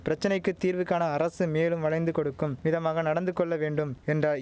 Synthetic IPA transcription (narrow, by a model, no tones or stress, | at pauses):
pɪɾɐt͡ʃːɐnɐɪkːɯt̪ːiːɾʋɯkːaːnɐːɾɐsɯmeːlɯmʋɐɭɐɪnd̪ɯkɔɽɯkːɯmʋɪðɐmaːɣɐnɐɽɐnd̪ɯkːɔɭːɐʋeːɳɖɯmɛndrɐ